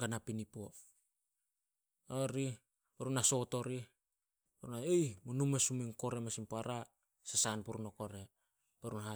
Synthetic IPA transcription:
ɡanapinipo | oɾi | baɾunaso̞to̞ɾi | ɾunaejmunumesuminko̞ɾe̞masimpaɾa | sasanpuɾunokoɾe | beɾunɦa

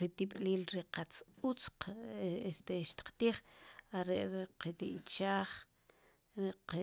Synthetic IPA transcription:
ɾit̪iɓʼliːlɾiqat͡sut͡sqest̪eʃt̪i̥qt̪iːχaɾeʔɾiqit̪iʔt͡ʃaːχ | ɾi

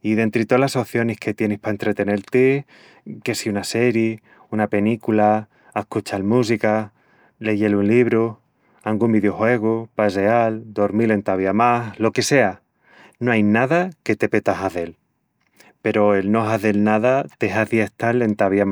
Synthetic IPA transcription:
iðe̞nt̪ɾit̪olaso̞θjo̞nehke̞t̪je̞nehpaent̪ɾe̞t̪e̞ne̞ɾt̪e | ke̞siunase̞ɾje | unape̞nikula | ehkut͡ʃalmus̬ika | le̞ʝe̞lunliβɾu | aŋɡumbiðjo̞xwe̞ɣ̞upaseald̪o̞ɾmile̞nt̪aβjamaslo̞ke̞se̞a | noajnaðake̞t̪e̞pe̞t̪aɦaðe̞l | pe̞ɾo̞e̞lno̞ɦaðe̞lnaðat̪e̞ɦaðjeht̪ale̞nt̪aβjam

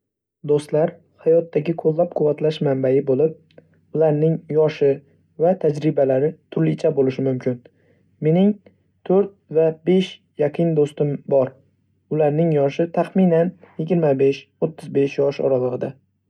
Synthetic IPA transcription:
d̪ost̪laɾ | hajɒt̪ːaɡʲɪkʰolˠːap̚qʰʊvat̪laʃmambajɪbolɪp̚ | ʊlaɾnɪŋjɒʃɪ | vat̪ʰad͡ʒɾɪbalaɾɪt̪ʰʊɾlɪt͡ʃʰabolɪʃɪmʊmkʲʰɪn | me̞nɪŋ | t̪ʰoɾt̪̚vabe̞ʃ | jaqʰɨnd̪ost̪ɪmbɒɾ | ʊlaɾnɪŋjɒʃɪt̪ʰaχmɪnanjɪɡʲɪɾmabe̞ʃot̪ʰːɪzbe̞ʃjɒʃɒ̰ɾalˠɨʁɨd̪a

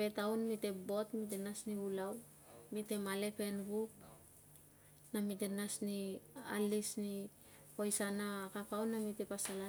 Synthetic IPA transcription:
pe̞tawnmite̞bo̞tmit̬enasniulaw | mite̞male̞pe̞nβup̚ | namidenasnialisni | pojsanakakawnːamite̞pasala

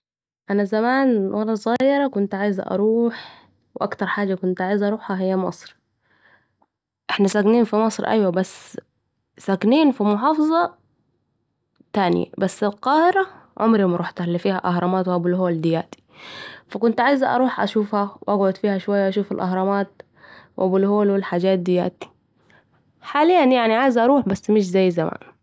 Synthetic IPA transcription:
ʔanazamaːnwɑlˤɑzˤɣɑːjɾˤɑkʊnt̪ʕaːjz̰ʔɑ̰ɾˤuːħ | wʔakt̪ɑɾˤħaːd͡ʒːakʊnt̪ʔaʕajzʔɑɾˤuːħhaɦɪjːamɑ̰sˤɾ | ʔɪħnasakniːnfimɑsˤɾʔa̰jwabasː | sakniːnfimʊħɑːfɑzˤɑ | t̪aːn̰ja̰basːɪlqɑːhɪɾa | ʕʊmɾimɾˤuːħt̪alːifiːhaʔahɾˤɑmaːt̪wʔabʊlɦoːld̪ɪjaːt̪i̥fakʊnt̪ʕaːjzaʔɑ̰ɾˤuːħʔa̰ʃuːfhawʔaɡʕʊd̪fiːhaʃʊwajːaʔaʃuːfalʔɑɦɾˤɑmaːt̪̚ | wʔabʊlhoːlwɪlħaːd͡ʒaːt̪̚d̪ɪja̰ːt̪i̥ | ħaːlɪjːanjaʕniʕaːjzʔɑɾˤuːħbasːmɪʃ̬zajːzama̰ːn

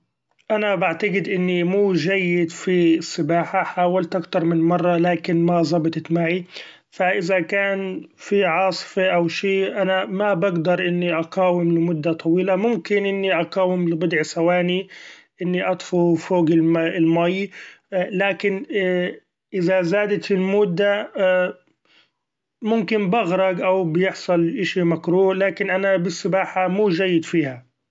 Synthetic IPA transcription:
ʔanabaʕt̪aɡɪd̪ʔɪnːimuːʒajːɪd̪fisˤːɨbaːħaħaːwalt̪ʔakt̪ɑɾˤmɪnmɑrˤːɑlaːkɪnmazˤɑbt̪ˤt̪maʕi | faʔɪzakaːnfiʕɑːsˤfeʔawʃiːʔanamabaɡd̪ɑɾˤʔɪnːiʔɑqɑːwɪmlɪmʊd̪ːat̪ˤɑwiːlamʊmkɪnʔɪnːiʔɑqɑːwɪmlɪbʊd̪ʕsawaːniʔɪnːiʔɑt̪ˤfufoːɡɪlɪlmaj | laːkɪn | ʔɪðazaːd̪at̪ɪlmʊːd̪ːa | mʊmkɪnbaɣɾˤɑɡʔawbɪjɪħsˤɑlʔɪʃimakɾuːlaːkɪnʔanabɪsːɪbaːħamuːʒajːɪd̪fiːha

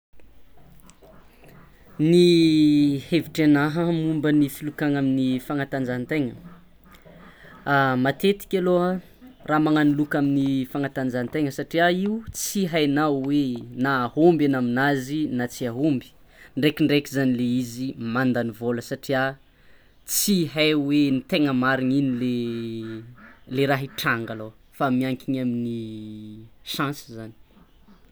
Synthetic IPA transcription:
ni | heviʈ͡ʂanaɦəmumbənifilukaŋaminifaŋat̪and͡zant̪eŋə̰ | amat̪et̪i̥kʲaloə | raːmaŋanilukaminifaŋat̪and͡zant̪eŋəsaʈ͡ʂiaiut͡siɦajnawwenaːhombanaminazinat͡siaɦombi̥ | ɳɖ͡ʐekiɳɖ͡ʐekizanileizimand̪anivoləsaʈ͡ʂia | t͡siɦajwenit̪eŋəmaɾiɲinile | leɾaɦiʈ͡ʂaŋɡalo | famiaŋkʲiɲamini | ʃãsizani̥

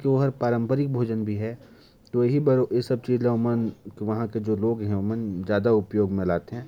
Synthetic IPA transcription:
kiʋoɦɐɾpaːɾə̃mpəɾɪk̚bʱoːd͡ʒənbʱiɦɛ | t̪oeɦibɐɾjesɐb̚t͡ʃiːzɦɛ̃ʊmənkiʋɐɦãked͡ʒoːloːɡɦɛ̃ʊmənd͡ʒjaːd̪aʊpjoːɡmẽlaːt̪eɦɛ̃ː

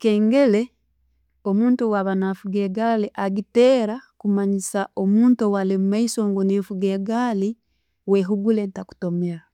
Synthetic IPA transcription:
keːŋɡe̞le̞ | omuːntuwaβanafuɡeɡaliʔaɡiteːɾakumaɲisaomuːntowalemumaisoŋɡoneːfuɡeːɡali | weɦuɡulentaku̥tomiɾa

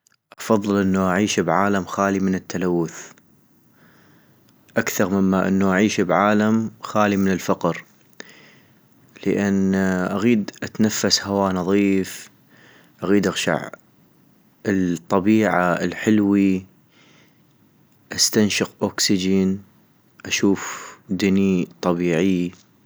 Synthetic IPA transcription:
ʔɑfɑðˤːɨlʔənːuʔaʕiːʃbʕaːlamxaːlimɪnət̪ːalawːʊθ | ʔakθɑɾˤmɪmːaʔɪ̰nːuʔaʕiːʃbʕaːlamxaːlimənɪlfɑqɾ | ləʔanʔaɣiːd̪ʔat̪nafːashawaːnɑðˤiːf | ʔaɣiːd̪ʔaɣʃa̰ʕ | ət̪ˤːɑbiːʕaəlħɪlwi | ʔast̪anʃɪqʔoːksɪd͡ʒən | ʔaʃuːfd̪ɪnit̪ˤɑbiːʕɪj

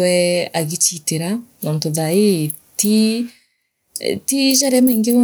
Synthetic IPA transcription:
wɛaɣet͡ʃiteɾanɔntoðae | ti | tiʒaɾamɛːŋɡeβɔ

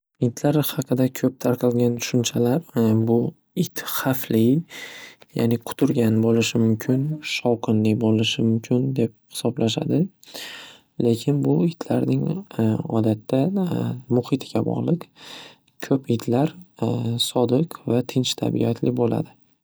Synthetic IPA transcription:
ɪd̪laɾhɑqʰɨd̪akʲʰɵp̚t̪ʰaɾqʰɑlˠɡʲant̪ʰʊ̥ʃʊnt͡ʃʰalaɾbʊ | ɪt̪χaflɪ | ja̰nɪqʰʊ̥t̪ʰʊɾɡʲanbolɪʃɪmʊmkʲʰɪnʃɒwqʰɨnlɪbolɪʃɪmʊmkʲʰɪnd̪e̞p̚hɪ̥sɒblaʃa̰d̪ɪ | le̞kʲʰɪnbʊɪt̪laɾnɪŋɒ̰d̪at̪ʰːamʊhɪt̪ʰɪɡʲabɒ̰ʁlˠɨq | kʲʰɵpɪd̪laɾ | sɒd̪ɨqvat̪ʰɪnt͡ʃt̪ʰa̰bḭat̪ʰlɪbola̰d̪ɪ

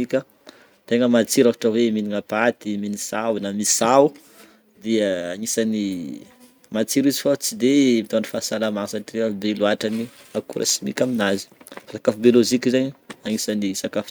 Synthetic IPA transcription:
ikʲə | t̪eŋəmat͡siɾakḁʈ͡ʂəweminiŋapat̪iminisawnamisawu | d̪iəaŋisani | mat͡siɾizifat͡sid̪emit̪ani̥fasalamaŋsaʈ͡ʂireabeluaʈ͡ʂaniakṵɾʔa̰simḭkʲaminazi̥sakafubjolozikizaɲaŋisanisakaf

